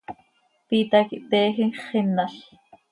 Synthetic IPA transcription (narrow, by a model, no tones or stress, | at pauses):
piːt̪akiʔt̪ɛːxiŋχɪnːaɬ